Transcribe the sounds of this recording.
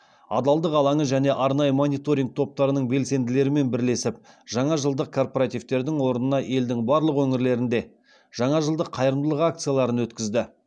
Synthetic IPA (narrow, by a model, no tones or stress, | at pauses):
ɑ̰d̪ɑlˠd̪əqɑlˠɑɴəʒæne̞ʔɑɾnɑjəmo̞nijt̪o̞ɾiŋɡ̚t̪ʰo̞p̚t̪ɑɾənəɴbe̞lse̞nd̪ɪle̞ɾɪme̞nbɪɾle̞sɪpʒ̥ɑɴɑʒəlˠd̪əq̚kʰo̞rpoɾat̪ijvt̪e̞ɾd̪ɪŋwo̞ɾənənɑʔe̞ld̪ɪŋbɑɾlˠəqwɵŋɪɾle̞ɾɪnd̪e̞ | ʒ̥ɑɴɑʒəlˠd̪əqʰːɑjəɾəmd̪əlˠəqak̚t̪sɨjalˠɑɾənwɵt̪kʲɪzd̪ɪ